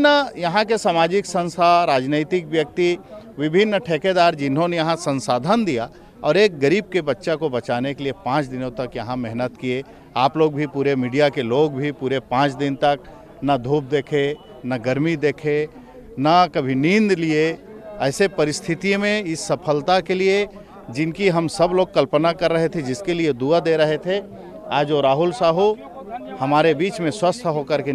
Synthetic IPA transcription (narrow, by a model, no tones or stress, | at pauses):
najɐɦãkesaːmaːd͡ʒɪksɐ̃nst̪ʰaɾaːd͡ʒneːt̪ɪkʋjɐk̚t̪iʋɪbʱɪnːʈʰeːked̪aːɾd͡ʒɪnɦõnejɐɦãsɐ̃nsaːd̪ʱənd̪ija | ɔːɾeːk̚ɡɐɾiːb̚kebɐtːʃakobɐtt͡ʃaːnekeliepãːt͡ʃd̪ɪnõt̪ɐkjɐɦãmɛɦnət̪kie | aːploːɡbʱipuːɾemiːɖijakeloːɡbʱipuːɾepãːt͡ʃd̪ɪnt̪ɐk | nɐd̪ʱuːp̚d̪eːkʰe | naɡəɾmid̪eːkʰe | nakɐbʱinĩnd̪lie | ɛːsepəɾɪst̪ʰɪt̪imẽɪsːəpʰəlt̪akelie | d͡ʒɪnkiɦɐmsɐbloːɡ̚kɐlpənakɐɾːəɦet̪ʰed͡ʒɪskelied̪uad̪eɾəɦet̪ʰe | aːd͡ʒoɾaːɦʊlsaːɦu | hɐmaːɾebiːt͡ʃmẽswəst̪ʰɦokəɾke